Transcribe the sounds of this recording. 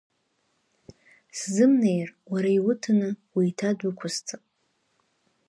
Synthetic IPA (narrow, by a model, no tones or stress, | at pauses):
szɨmne̞jrwaɾaiwʊtʰɨnɨwiːtʰadʊkʷʰʊst͡sʰʼapʼ